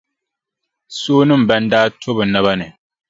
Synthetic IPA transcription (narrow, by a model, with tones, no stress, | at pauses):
soː˦nɨ˦˨m̩˨bɛ˦n˦daː˦tʰo˦bɨ˨na˦ba˦nɨ˨